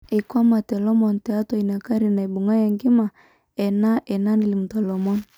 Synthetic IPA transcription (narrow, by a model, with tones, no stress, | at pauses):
e˨kwa˦ma˨tɛ˨lɔ˦mɔ˨ntɛ˨a˦tɔ˨i˨na˨ka˦ɾi˨na˨i˨bu˨ŋa˦ja˨ŋɡi˦ma˨ | ɛ˨na˦ʔɛ˨na˦ni˨li˨mu˨tɔ˨lɔ˨mɔ˦n